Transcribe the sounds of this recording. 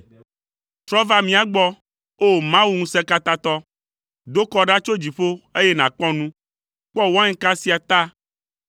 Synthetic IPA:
t̪ɾɔ˦va˦mĩ˨˦a˨ɡ͡bɔ˦ | o˦˨mã˦wu˦ŋũ˦sɛ̃˦ka˦t̪a˦t̪ɔ˦ | d̪o˦kɔ˦ɖa˦t͡ʃo˦d͡ʑi˨ɸo˦e˦je˦nã˨k͡pɔ˦nũ˦ | k͡pɔ˦wã˦ŋ̩˦ka˦si˦a˨t̪a˦

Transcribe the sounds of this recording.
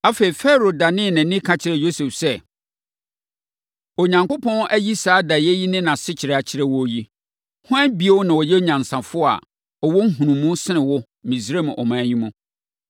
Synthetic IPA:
a˦fe˨i˨fɛ˦ɾo˨da˨nɪ̃˦˨nɪ̃˨˦nɪ̃˦kʰã˦t͡ɕʰɪ˨ɾɛ˨jo˦se˨fsɛ˦ | ɔ˨ɲã˨ŋko˦pʰɔ̃˦n˦ʔæ˦ji˦saː˨˦da˨jɛ˦ji˦nɪ̃˦nã˨sɪ˦t͡ɕʰɪ˨ɾɛ˦˨a˨t͡ɕʰɪ˦ɾɛ˦wɔ˦ji˦ | hʊ̃˦æ˦bi˦e˦wɔ˦nã˨wɔ˨jɛ˦ɲã˨n˨sã˨fʊ˦˨a̰˨ | ɔ˨wɔ˦ŋ̩˦ɦũ˨nũ˨mũ˦sɪ˦nɪ̃˨wɔ˦ | mĩ˨sɾe˦m̃˨ʔɔ̰˨mãː˨˦ɲĩ˦mũ˦

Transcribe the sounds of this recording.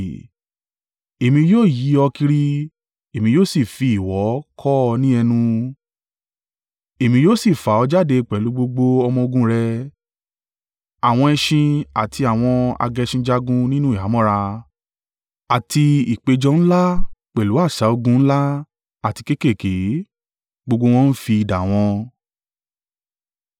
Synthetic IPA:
e˨mĩ˧joː˦˨ji˨˦ɔ˧ki˧ɾi˧ | e˨mĩ˧joː˦˨si˦˨fi˧i˨wɔ˨˦kʰɔ˦˧nĩ˦ɛ˧nũ˧ | e˨mĩ˧joː˦˨si˦˨fa˨˦ɔ˧d͡ʒa˦de˧k͡pɛ˨lu˨˦ɡ͡bo˧ɡ͡bo˧ɔ˧mɔ̃˧o˧ɡũ˧˦ɾɛ˧ | a˨w̃ɔ̃˧ɛ˧ʃĩ˧a˨tʰi˧a˨w̃ɔ̃˧a̰˧ɡɛ˧ʃĩ˧d͡ʒa˦ɡũ˦nĩ˦nũ˦i˨a˨˦mɔ̃˦ɾa˧ | a˨tʰi˧i˨k͡pe˨˧d͡ʒɔ˧n̩˦la˦k͡pɛ˨lu˨˦a˦˨ʃa˨˦o˧ɡũ˧˦n̩˦la˦ | a˦˨ti˨˧ke˦ke˦˨ke˨˦ | ɡ͡bo˧ɡ͡bo˧w̃ɔ̃˦n̩˦fi˧i˨da˨w̃ɔ̃˧

